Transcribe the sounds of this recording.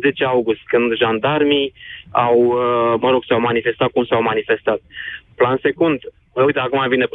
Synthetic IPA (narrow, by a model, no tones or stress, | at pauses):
ze̞t͡ʃeawɡust̪kɨnd̪ʒand̪armiawməɾo̞ɡsawmanife̞st̪at̪̚kumsawmanife̞st̪at̪̚planse̞kund̪ | əujt̪eakumavine